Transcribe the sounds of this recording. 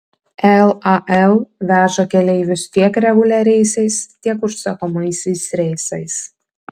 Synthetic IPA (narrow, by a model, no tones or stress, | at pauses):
ɛlˠɐʔɛlˠʋʲæːʒokʲɛlʲɛɪʋʲɪst̪ʲiɛkɾʲɛɡʊlʲɛɾʲɛɪsʲɛɪst̪ʲiɛkʊʃsɐkoːmɐɪsʲɛɪsɾʲɛɪsɐɪs